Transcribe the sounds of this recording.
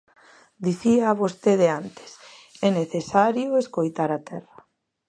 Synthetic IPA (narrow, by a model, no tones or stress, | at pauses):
d̪iθiaːβost̪eðeant̪e̥sɛneθesaɾjʊeskojt̪aɾat̪ʰɛrɐ